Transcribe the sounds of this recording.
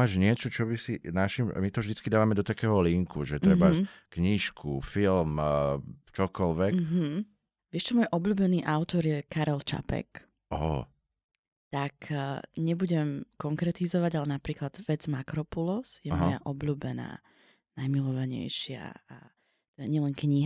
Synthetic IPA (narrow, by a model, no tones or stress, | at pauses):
aːʒɲɪɛt͡ʃɔt͡ʃɔbisinaʃim̰mit̪ɔvʒd̪it͡skid̪aːʋamɛd̪ɔt̪akɛːɦɔliŋkuʒɛt̪ɾɛbaskɲiʃkʰufilm | t͡ʃɔkɔlʋɛkɦ̩ | ʋɪɛʃt͡ʃɔmɔjʔɔbʎuːbɛniːʔaʊt̪ɔɾjɛkaɾɛlt͡ʃa̰pɛ̰k | ɔ̰ | t̪akɲɛbuɟɛmkɔŋkɾɛt̪izɔʋaɟalɛnapɾiːklad̪ʋɛd͡zmakɾɔpulɔsjɛmɔja̰ʔɔbʎuːbɛna̰ː | najmilɔʋaɲɛ̰jʃɪa̰a | t̪ɛd̪aɲɪɛlɛŋkɲiɦa